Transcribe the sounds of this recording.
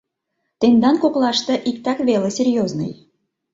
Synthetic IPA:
t̪end̪ɑnkoklɑʃt̪ɤ̆ʔikt̪ɑkβelesʲerjoznɤ̰j

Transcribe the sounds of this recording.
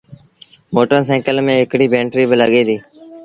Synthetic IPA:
moːʈəɾsɛ̃ːkəlmẽːɪkɽiːbʱẽːɳʈɾiːbələɠeːd̪iː

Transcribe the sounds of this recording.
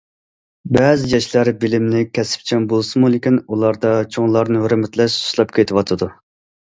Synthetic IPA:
bɛːzɪjɑʃlˠæɾbɪlɪmnɪkʲʰɛsɪ̥p̚t͡ʃʰɛŋbolˠsɨmulˠɪkʲinulˠɑɾd̪ɑt͡ʃʰoŋlˠɑɾnɨhøɾmɪt̪lɛʃsu̥slˠɑp̚kʲʰet̪ʰɪwɑt̪ʰɨd̪u

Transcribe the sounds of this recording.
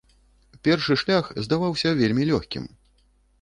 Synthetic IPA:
pʲɛrʂɨʂlʲaxzd̪avawsʲɐvʲelʲmʲilʲɔxʲkʲḭm

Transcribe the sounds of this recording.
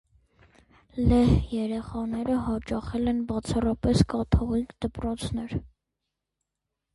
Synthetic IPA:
lɛhjɛɾɛχɑnɛɾəɦɑt͡ʃɑχɛlɛnbɑt͡sʰɑrɑpɛskɑt̪ʰɔʁikd̪əpɾɔt͡sʰn̪ɛɾ

